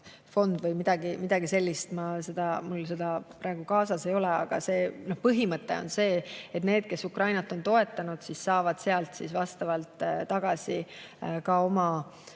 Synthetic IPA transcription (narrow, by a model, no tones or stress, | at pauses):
fo̞nd̪̥vɤjmid̪̥ɑɡ̥imid̪̥ɑɡ̥ise̞lʲːist̪mɑse̞d̪̥ɑmulse̞d̪̥ɑpɾɑeɡ̥ukɑːsɑse̞jo̞lɛɑ̰ɡ̥ɑ̰se̞ːnohpɤɦimɤt̪ːˑe̞̰onse̞ːet̪ne̞ːd̪̥̚ke̞sukrɑjnɑt̪ːˑo̞nt̪o̞e̞t̪ːˑɑnud̪̥sissɑːvɑd̪̥se̞ɑlt̪sḭsvɑst̪ɑvɑlt̪ˑt̪ɑɡ̥ɑsʲikɑo̞mɑ